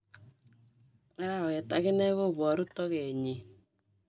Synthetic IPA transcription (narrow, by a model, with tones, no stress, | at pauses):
ɛ˦ɾa˦˨we˨ta˨ɣe˦nɛ˦ɣo˦βɔ˨ɾu˦tɔ˦ɣe˨ɲi˨